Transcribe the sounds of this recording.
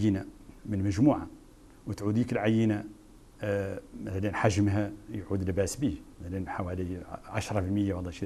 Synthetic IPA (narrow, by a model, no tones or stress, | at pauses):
jənamənməʒmuʕa̰ | wət̪ʕud̪ikəlʕajːəna | mæθælənħaʒəmɦæjʕud̪lbæsbimæt̪ælənħawæliʕaʃɾˤɑfəlməjːawɑlˤːæʃi